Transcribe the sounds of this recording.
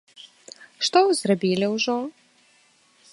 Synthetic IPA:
ʂt̪ɔzrabʲilʲiwʐɔ

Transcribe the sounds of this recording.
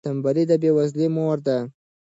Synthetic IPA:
ambalid̪əbewazlemoɾd̪a

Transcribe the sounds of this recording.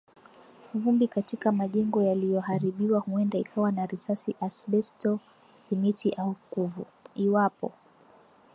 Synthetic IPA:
vumbikatikamaʄɛŋɡɔjalijɔɦaɾiɓiwahuɛndaikawanaɾisasiʔasɓɛstɔ | simitiʔaukuvṵ | iwapɔ̰

